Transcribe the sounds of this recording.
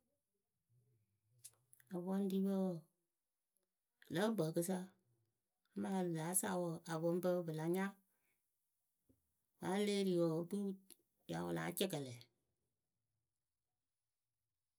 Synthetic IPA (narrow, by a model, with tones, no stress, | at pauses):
a˨βɔ˦n˦di˦bə˦˨ | lə˦bə˨kɨ˦sa˦ | ma˦˨laː˨˦sa˦˨wo˨a˨bo˦m˦bə˦bɨ˨la˨ɲa˦ | wa˨˦le˦ɾi˨wo˨tu˦ | ja˨˦wʊ̰˨la̰˨˦t͡ʃɛ˦kə˨lɛ˨